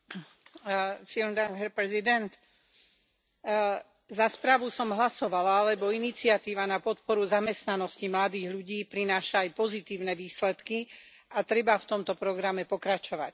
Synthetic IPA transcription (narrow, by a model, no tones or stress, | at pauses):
filmd̪anɦɛɾpɾɛzid̪ɛnt̪ | zaspɾaːʋusɔmɦlasɔʋalaalɛbɔinit͡sɪat̪iːʋanapɔt̪pɔɾuzamɛst̪nanɔscimlad̪iːɣʎuɟiːpɾinaːʃaːjpɔzit̪iːʊnɛʋiːslɛt̪ki | at̪ɾɛbaft̪ɔmt̪ɔpɾɔɡɾamɛpɔkɾat͡ʃɔʋa̰c